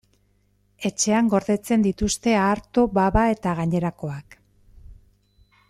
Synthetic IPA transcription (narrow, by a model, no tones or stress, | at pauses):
e̞t͡ʃe̞aŋɡo̞ɾðe̞t͡se̞nd̪it̪ust̪e̞aːɾt̪o̞baβae̞t̪aɣ̞aɲe̞ɾako̞ak